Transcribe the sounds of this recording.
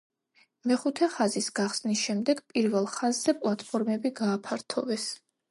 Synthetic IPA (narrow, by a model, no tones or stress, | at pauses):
mɛχut̪ʰɛχazisɡaχsnisʃɛmd̪ɛɡpʼiɾvɛlˠχazzɛpʼlˠat̪ʰʼpʰɔɾmɛbiɡaːpʰaɾt̪ʰɔvɛs